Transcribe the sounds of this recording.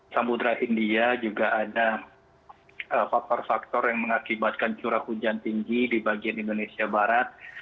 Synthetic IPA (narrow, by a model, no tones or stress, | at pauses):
sampud̪ɾaʔindiad͡ʒuɡaʔada | ʔəfak̚t̪ɔrfak̚t̪ɔrjaŋməŋakibat̪̚kant͡ʃuɾahud͡ʒant̪iŋɡidibaɡianindonesiabaɾat̪̚